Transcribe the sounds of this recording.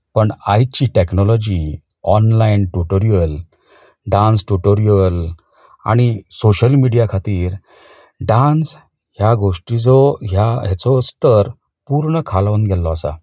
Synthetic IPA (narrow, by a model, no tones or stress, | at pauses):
pəɳajt͡ɕiʈeknɔlɔd͡ʑi | ɔnlainʈuʈoɾijəl | ɖãnsʈuʈoɾijəl | a̰ɽ̃isoɕəlmiɽijakʰat̪iːɾ | ɖãns | ɦjaɡoʂʈid͡zɔɦjaɦɛt͡sɔst̪əɾ | puɾɳəkʰalʋənɡʱɛlɔasa̰